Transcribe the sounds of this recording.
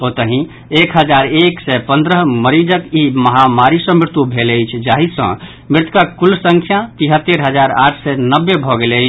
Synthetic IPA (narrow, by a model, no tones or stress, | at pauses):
ot̪əɦĩ | ekɦəd͡ʒaɾeksɛpə̃nd̪ɾəɦməɾid͡ʒəkiməɦamaɾisə̃mɾɪɾt̪ubʱeləjt͡ʃʰd͡ʒaɦisə̰̃ | mɾɪt̪kakulsəŋkʰjat̪iɦət̪ːeɾɦəd͡ʒaɾa̰ʈʰsɛnəbːebʱɔɡeləjt͡ʃʰ